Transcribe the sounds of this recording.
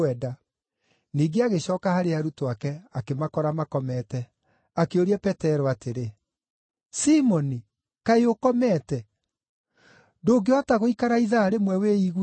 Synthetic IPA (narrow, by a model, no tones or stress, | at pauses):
ɛda | niːɡeaɣeɕɔːkahaɾeaɾutoakɛakemakɔɾamakɔmɛtɛ | akeoɾiɛpɛtɛɾɔateɾe | simɔni | kaeokɔmɛtɛ | doːɡeɔtaɣoikaɾaiðaːɾemwɛweiɣ